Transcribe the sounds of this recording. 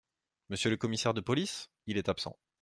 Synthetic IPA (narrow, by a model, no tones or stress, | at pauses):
məsjələkɔmisɛʁd̪əpɔlis | ilɛt̪apsɑ̰̃